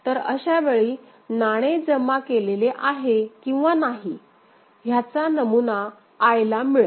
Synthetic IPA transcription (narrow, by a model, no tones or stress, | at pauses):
t̪əɾə̰ɕaʋeɭiː | naɽ̃ed͡zəmːakeleleʔaɦekĩw̃ʋanaɦi | ɦjat͡sanəmunaː | jlamiɭə